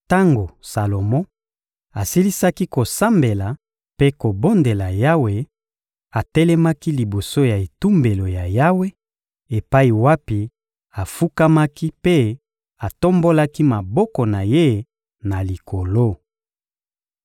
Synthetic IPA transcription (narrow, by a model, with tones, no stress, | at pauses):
ta˦ŋɡo˨sa˨lo˨mɔ˦ | a˨si˦li˦sa˦ki˦ko˨sa˦mbe˨la˨ | pe˦ko˨bo˦nde˨la˨ja˦we˨ | a˨tɛ˦lɛ˦ma˦ki˦li˨bo˨so˦ja˨e˨tu˦mbe˨lo˨ja˨ja˦we˦ | e˨pa˦i˨wa˦pi˨ | a˨fu˦ka˦ma˦ki˦pe˦ | a˨to˦mbo˦la˦ki˦ma˨bɔ˦kɔ˨na˨je˦ | na˨li˨ko˨lo˦